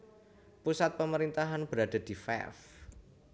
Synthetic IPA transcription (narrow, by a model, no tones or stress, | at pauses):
pusat̪̚pəməɾint̪aɦanb̥əɾad̥a̤d̥i̤fɛ̰f